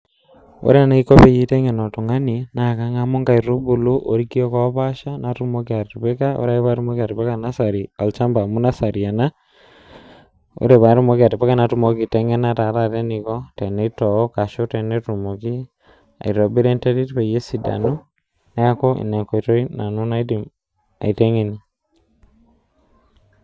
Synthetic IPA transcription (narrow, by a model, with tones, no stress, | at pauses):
o̰˦ɾe˦a˨na˨i˦ko˦pe˦ji˦te˦ŋe˨no˨tu˨ŋa˦ninaka˦ŋa˦mo˦ŋɡa˨i˨ro˦bu˨lu˦ʔo˨ɾiki˦o˦kɔ˦βa˦ʃa˦na˨tu˦mo˦kea˨ti˨βe˦ka˦o̰˦ɾa˦i˦βa˦ɾu˦mo˦ka˨ti˨βeka˦na˦saɾia˨lt͡ʃa˦mba˨mu˦na˦sa˨ɾia˨na˦ | o̰˦ɾe˨βa˨ɾu˦mo˦ki˦a˨ti˨pe˦ka˦na˨tu˦mo˦ki˨te˦ŋe˦na˦ta˨ta˦˨ɾe˦ni˨kɔ˦te˨ne˦tɔ˨ɔ˦ka˨ʃo˦te˨ne˦tu˨mo˨ki˦ | a̰˨i˨ɾo˨bi˦ɾe˦nte˦ɾi˦tpe˨je˦si˨da̰˨no˦ | nɛ˦a˦ko˦ʔḭ˨nɛ˨ŋko˨i˨to˦i˦na˨nu˦na˦i˦di˨m | a̰˨i˨te˦ŋe˦ni